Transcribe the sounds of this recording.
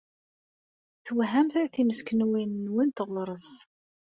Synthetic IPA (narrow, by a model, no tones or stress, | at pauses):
θəwɦæmθæθiməskənwinːwint̪ʁlɾˤəs